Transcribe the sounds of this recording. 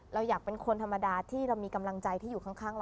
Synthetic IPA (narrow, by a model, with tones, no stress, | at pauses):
ɾa˧wjaː˨˩k̚pe˧nkʰo˧nt̪ʰa˧mːa˧daː˧t̪ʰiː˥˩ɾa˧wmiː˧ka˧mla˧ŋt͡ɕa˧jt̪ʰiː˥˩juː˨˩kʰa˥˩ŋkʰaː˥˩ŋl